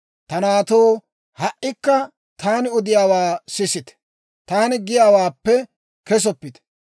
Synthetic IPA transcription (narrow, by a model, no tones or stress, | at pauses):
t̪ɐnaːt̪oː | hɐʔɪkːɐ | t̪aːnɪʊd̪ɪjaːwaːsɪsɪt̪ɛ̥ | t̪aːnɪɡɪjaːwaːpːɛ | kɛs̬ɔpːɪt̪ɛ̥